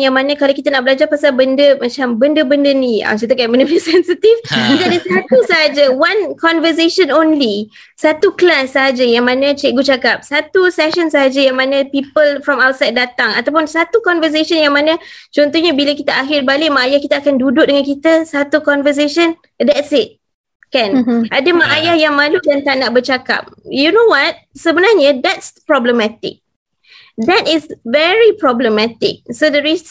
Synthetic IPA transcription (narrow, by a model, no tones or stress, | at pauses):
jaŋmanə̃kalawkit̪ənaʔbəlad͡ʒarpasalbəndəmat͡ʃambəndəbəndənia̰kit̪əkaʔmənəpsɛnsit̪ifkit̪əadəsat̪usəɦad͡ʒawankɔnvəs̬eʃənõnli | sat̪uklasːəɦad͡ʒajaŋmanə̃t͡ʃɛʔ̚ɡut͡ʃakap̚sat̪usɛʃənsəɦad͡ʒəjaŋmanə̃pipəlfɾɔmawt̪̚sajd̚dːat̪aŋat̪awp̬ʊnsat̪ukɔnvəs̬eʃənjaŋmanət͡ʃɔnt̪ɔhɲabilakit̪əaɦɪrbalɪʔmaajahkit̪əakandudʊʔ̚dəŋankit̪əsat̪ukɔnvəs̬eʃən | d̪ɛtsɪt̚ | kɛ̃nʔadəmaʔajahjaŋmãludant̪anaʔbərt͡ʃaka̰p̚junowat̚səbənarɲəd̪ɛtspɹɔbləmɛt̪ɪ̰k̚ | d̪ɛtɪsvɛɹipɹɔbləmɛt̪ɪ̰k̚sodɛɾis